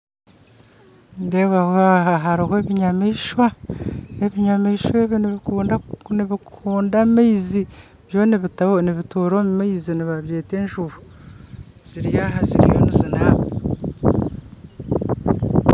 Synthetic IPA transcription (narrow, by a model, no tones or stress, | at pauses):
ŋɡeβahaɦaɦaɾihoeβiɲamiːʃwa | eβiɲamiːʃweβniuːndaniβikʰuːndamaizi | βjoniβiniβituɾomumaiziniβaβjeːte̞ːnʒuβu | z̥iɾijaɦazḭɾḭjo̰nizinaβo̰